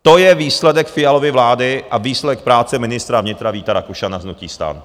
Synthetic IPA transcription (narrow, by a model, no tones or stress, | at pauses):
t̪o̞jɛviːslɛdɛkfɪjalo̞vɪvlaːdɪʔaviːslɛdɛk̚pɾaːt͡sɛmɪnɪst̪ɾavɲɪt̪ɾaviːt̪aɾakuʃanaznuciːst̪a̰ːn